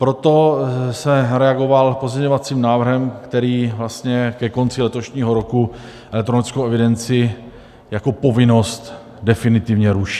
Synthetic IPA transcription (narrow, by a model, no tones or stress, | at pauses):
pɾot̪o̞sɛɾɛaɡo̞valpo̞zɲɛɲo̞vat͡siːmnaːvr̩ɦɛmkt̪ɛɾiːvlast̪ɲɛkɛko̞nt͡sɪlɛt̪o̞ʃɲiːɦo̞ɾo̞ku | ʔɛlɛk̚t̪ɾo̞nɪt͡skowʔɛvɪdɛnt͡sɪ | jako̞po̞vɪno̞st̪ | dɛfɪnɪt̪ɪvɲɛɾuʃi̥ː